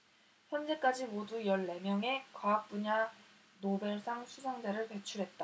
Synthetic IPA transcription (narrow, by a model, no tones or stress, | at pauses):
çjʌnd͡ʑe̞k͈ad͡ʑimodujʌɭːe̞mjʌŋe̞kwaːk̚p͈uɲa | nobe̞ɭsʰaŋsʰusʰaŋd͡ʑaɾɯɭpe̞t͡ɕʰuɾɦe̞t̚t͈a